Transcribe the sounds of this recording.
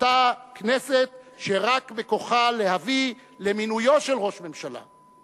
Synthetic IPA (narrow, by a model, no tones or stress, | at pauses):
takneset̪̚ʃeʁakbeko̞χale̞havile̞minujo̞tʃe̞lʁo̞ʃme̞mʃala̰